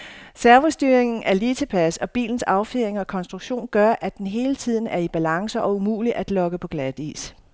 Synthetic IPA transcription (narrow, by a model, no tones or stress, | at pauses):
sæɐʋosd̥yːɐeŋn̩ʔæɐliːt͡sʰepʰæsɒ̽b̥ḭːln̩sɑ̈ʊfeeŋɒ̽kʰɒ̽nsd̥ʁuɡ̥ɕo̝̰ːnɡ̥ɶɐʔæd̥enɦe̝ːlət͡sʰið̞̰ˠn̩æɐib̥ælɑ̈ŋsəʔɒ̽umṵːliʔæd̥lɒ̽ɡ̥əpʰɒ̽ɡ̥læð̥ḭːs